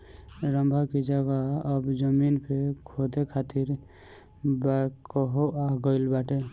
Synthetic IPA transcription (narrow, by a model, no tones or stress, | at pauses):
ɾəmbʱakid͡ʒaɡaɔbd͡ʒəminpʰekʰod̪ekʰat̪iɾ | bakɔɦoaɡɔɪlbaʈe